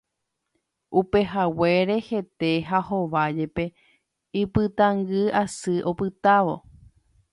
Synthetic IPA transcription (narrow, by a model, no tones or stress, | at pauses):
upe̞ɦaweɾe̞he̞t̪e̞ɦahoʋad͡ʒe̞pe̞ | ipɨt̪ãŋɡɨasɨʔo̞pɨt̪aʋo̞̰